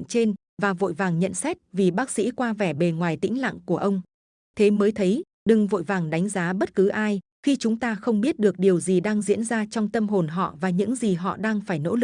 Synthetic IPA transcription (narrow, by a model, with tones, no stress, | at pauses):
nt͡ɕe˧n | vaː˨˩vo̰˧˨jvaː˨˩ŋɲə̰˧˨nsɛ˦˥t̚vi˨˩ɓaː˦˥k̚sḭ˧˥kwaː˧vɛ˧˩ɓe˨˩ŋwaː˨˩jt̪ḭ˧˥ŋ̟la̰ː˧˨ŋku˧˩əʔə˧wŋ͡m | t̪ʰe˨˦məː˨˦jt̪ʰə˨˦j | ɗɨ˨˩ŋvo̰˧˨jvaː˨˩ŋɗa˨˦jŋ̟zaː˨˦ɓə˦˥t̚kɨ˨˦ʔaː˧j | xi˧t͡ɕʊ˨˦ŋ͡mt̪aː˧xə˧wŋ͡mɓi˦˥ət̚ɗɨ˨˩ək̚ɗi˨˩əwzi˨˩ɗaː˧ŋzḭ˧˥ənzaː˧t͡ɕɔ˧wŋ͡mt̪ə˧mɦo˨˩nɦɔ̰˧˨vaː˨˩ɲɨ̰˧˥ŋzi˨˩ɦɔ̰˧˨ɗaː˧ŋfaː˧˩jno̰˧˥lɨ˨˩k̚